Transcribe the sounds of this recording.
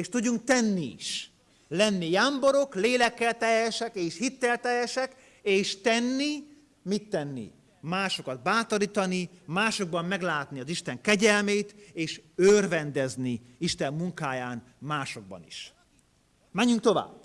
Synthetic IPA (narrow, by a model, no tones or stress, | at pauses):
eːʃt̪uɟːuŋk̚t̪ɛnːiḭʃ | lɛnːijaːmboɾo̞kleːlɛkːɛlt̪ɛjɛʃɛkeːʃhit̪ːɛlt̪ɛjɛʃɛk | eːʃt̪ɛnːi | mit̪ːɛnːḭ | maːʃo̞kɒd̪̚baːt̪oɾiːt̪ɒnimaːʃo̞ɡ̚bɒmːɛɡlaːt̪niɒziʃt̪ɛŋkɛɟɛlmeːt̪eːʃørvɛnd̪ɛzni | iʃt̪ɛmːuŋkaːjaːn | maːʃo̞ɡ̚bɒ̰nḭʃ | mɛɲːyŋk̚t̪o̞va̰ːbː